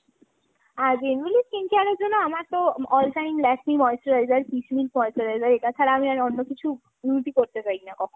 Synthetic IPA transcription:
aɾbenʋilid͡ʑkiŋkiaɾod͡ʒonoamaɾt̪oɔlʈajmlɛʈmimɔjsʈɔɾajzaɾpisminʈmɔjsʈoɾajzaɾekat͡ɕʰaɾaamiaɾɔnːokit͡ɕʰu | uʈ̪ikoɾt̪epajnakɔkʰon

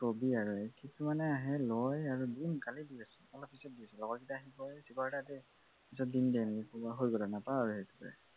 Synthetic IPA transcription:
kobiaɹuekʰitʰumanɛaɦɛlɔjaɹudinkalidiasɛɔlɔp̚ʰːisɔt̚diasɛlɔɡɔtkitaaɦibɔsikɔɹɔtatɛ | pisɔt̚dindiɛnɛkɛkubɔɦojɡɔlanapaaɹuɦetu̥pɛ̰

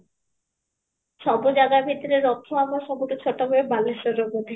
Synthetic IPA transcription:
ʃɔbod͡ʑaɡabʱit̪oɾeɾɔt̪ʰːoamaʃɔboʈot͡ɕʰoʈːaboebalːeʃɔɾobot̪i

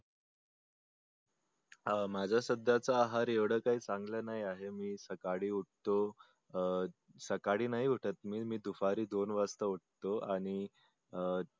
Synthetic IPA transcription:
mad͡zʱasəd̪ːat͡saaɦaɾeʋɽəːkaɦiːt͡saŋɡləːnaɦjaɦemiːsəkaɽiːuʈ̚t̪o | səkaɽiːnaɦiːuʈʰət̪miːmiːd̪ufaɾiːd̪onʋast̪əuʈ̚t̪oaɽ̃i

